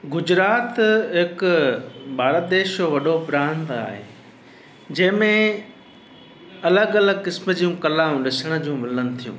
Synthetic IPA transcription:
ɡʊd͡ʑɾaːt̪ɦɪk | baːɾad̪eːʃjoːʋɐɗopɾãːnd̪a̰ːɦḛː | d͡ʑɐ̃ɦɪ̃mẽ | ɐləɡɐləɡkɪsməd͡ʑijũkɐlãːɗɪsəɽ̃ə̆d͡ʑũːmɪlənɪ̆t̪ʰijṵ̃ː

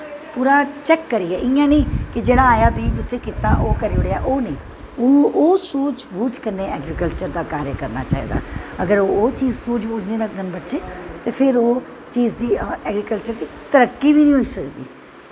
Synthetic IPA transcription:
puːɾaːt͡ʃɛːkːəɾiːɛːʔɪjãːnẽːkɪd͡ʒeːɽaːaːjaːbiːd͡ʒʊt̪ʰːeːkɪt̪aːʔoːkəɾeʊɽeaːʔoːnẽː | oːoːsuːt͡ʃbuːd͡ʒkəɾneːɛːɡɾiːkəlt͡ʃəɾd̪aːkaːɾjakəɾna̰ːt͡ʃa̰ːḭːd̪a̰ːəɡəɾoːoːt͡ʃiːzsuːd͡ʒbuːd͡ʒneːləɡənbətːʃeːt̪eːpʰɪɾoː | t͡ʃiːzd̪iːɛːɡɾiːkəlt͡ʃəɾd̪iːt̪əɾəkːiːbiːnĩːɦoiːsəkd̪ḭː

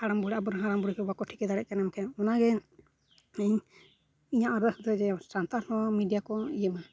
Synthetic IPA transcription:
haɽambɔɽɛʔabɔɾaɦaɾambɔɽɛkɛbakɔʈʰi̥kɛd̪aɽɛt̪ʔ̚kanɛmkʰɛɔnaɡɛ | ɛɲ | iɲaʔɔɾd̪əsd̪ɔd͡ʒɛsant̪aɾnɔwamiɖijakɔijəma

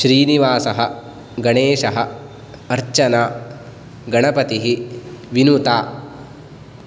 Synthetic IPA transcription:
ʃɾiːniʋaːsɐɦɐ̆ | ɡɐɳeːʃɐɦɐ̆ | ɐɾt͡ʃɐnaː | ɡɐɳɐpɐt̪iɦiʋinut̪aː

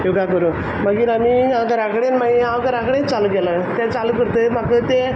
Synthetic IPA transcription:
joɡakəɾũ | maɡiɾamiãkəɾakɽenmaɡiãkəɾãkɽẽt͡saluɡɛlə | t̪ãt͡salukəɾt̪əmakət̪e

